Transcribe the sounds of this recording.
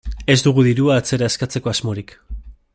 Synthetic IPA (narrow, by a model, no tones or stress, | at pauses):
e̞zd̪uɣ̞uðiɾuaːt͡se̞ɾaeskat͡se̞ko̞azmo̞ɾik